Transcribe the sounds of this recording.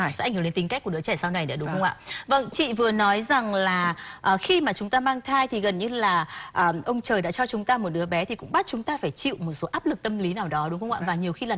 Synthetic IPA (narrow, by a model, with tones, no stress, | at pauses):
sŋ˨˩˨e˨˧nt̪ï˨˦ŋkjk̚kɨ˨˦ət͡ɕɛ˧˩sa˧na˨˩jnə̰˨˦ɗʊ˨˦ŋ͡mxə˧wŋ͡mʔa̰ː˧˨və̰˧˨nt͡ɕḭ˧˨vɨ˨˩ənɔ˨˦jza˨˩ŋlaː˨˩ʔəː˨˩xi˧maː˨˩t͡ɕʊ˨˦ŋ͡mt̪aː˧maː˧ŋt̪ʰaː˧jt̪ʰi˨˩ɣə˨˩nɲɨ˧laː˨˩ʔəː˨˩ʔə˧wŋ͡mt͡ɕəː˨˩jɗa̰ː˧˥t͡ɕɔ˧t͡ɕʊ˨˦ŋ͡mt̪aː˧mo˨˩t̚ɗɨ˨˦əɓɛ˨˦t̪ʰi˨˩kʊ̰˧˥ŋ͡mɓa˦˥t̚t͡ɕʊ˨˦ŋ͡mt̪aː˧faː˧˩jt͡ɕḭ˧˨wmo˨˩t̚so˨˦ʔaː˦˥p̚lɨ˨˩k̚t̪ə˧mli˨˦naː˨˩wɗɔ˨˦ɗʊ˨˦ŋ͡mxə˧wŋ͡mʔa̰ː˧˨vaː˨˩ɲi˨˩əwxi˧laː˨˩